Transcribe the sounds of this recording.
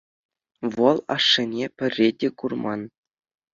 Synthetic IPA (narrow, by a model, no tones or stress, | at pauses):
ʋɤ̆lˠɑ̰ʂːɤ̆nʲepʲɘ̆rʲːedʲekurmɑn